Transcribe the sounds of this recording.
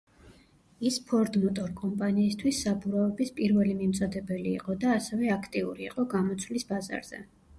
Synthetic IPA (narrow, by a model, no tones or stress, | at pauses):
ispʰɔɾd̪mɔt̪ʼɔɾkʼɔmpʼaniːst̪ʰwisːabuɾaɛbispʼiɾvɛlimimt̪sʼɔd̪ɛbɛlḭːqʼɔd̪aːsɛvɛakʰt̪ʼiuɾiːqʼɔɡamɔt̪sʰwlisbaza̰ɾz̥ɛ̰